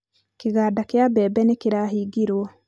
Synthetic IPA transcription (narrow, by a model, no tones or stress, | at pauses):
keɣaːdakjabɛːbɛnekeɾahiːɡiɾwɔ